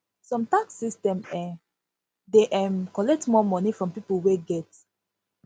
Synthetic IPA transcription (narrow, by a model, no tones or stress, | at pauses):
sɔ̃mtaksistɛ̃mɛ̃ | deʔɛ̃mkɔlɛk̚tmɔmɔnifɹɔ̃mpipəlweɡɛt